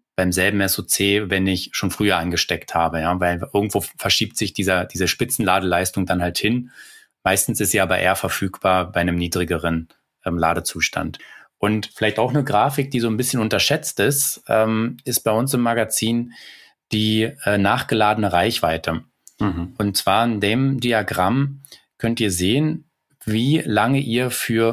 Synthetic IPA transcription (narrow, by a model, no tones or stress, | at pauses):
b̥aɪmzɛlbm̩ɛsot͡seːvɛnɪçʃoːnfʁ̥yːɐʔanɡəʃtɛkthaːbəjaːvaɪlʔɪɐɡŋ̩tv̥oːfɛɐʃiːp̚tz̥ɪçd̥iːzɐd̥iːzəʃpɪt͡sn̩laːdəlaɪstʊŋdanhalthɪn | maɪstn̩sɪstz̥iːʔaːbɐʔḛːɐfɛɐfyːkb̥aːɐbaɪnəmniːdʁɪɡəʁ̞ən | ʔɛːmlaːdət͡suːʃtʰa̰ntʔʊntfɪlaɪçtaʊxnəɡʁaːfɪk̚d̥iːzoːnbɪsçənʊntɐʃɛt͡stɪstʔɛːmʔɪst̚b̥aɪʊnsɪmːaɡat͡siːn | d̥iːʔɛːnaːχɡ̥əlaːdənəʁaɪçv̥aɪtʰə | ʔʊnt̚t͡sv̥aːɐɪndeːmdiaɡʁam | kʰœntiːɐzeːən | viːlaŋəʔiːɐfyːɐ